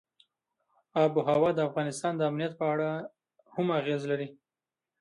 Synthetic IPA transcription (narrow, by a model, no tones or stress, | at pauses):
ɑbuɦawɑd̪əafɣɑnɪst̪ɑnd̪əamnijat̪̚pəaɽa | hamaɣezlaɾi